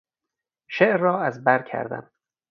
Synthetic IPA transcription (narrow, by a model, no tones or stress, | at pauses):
ʃeʔɾːɒːæzbæɾkʰæ̰ɾd̪æ̰m